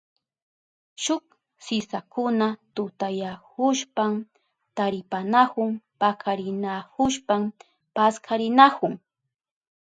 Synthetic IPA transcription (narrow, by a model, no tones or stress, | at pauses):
ʃʊk | sɪsakʊnat̪ʊt̪ajakʊʃpam | t̪aɾɪpanakʊŋpakʰaɾɪnakʊʃpam | paskʰaɾɪnakʊŋ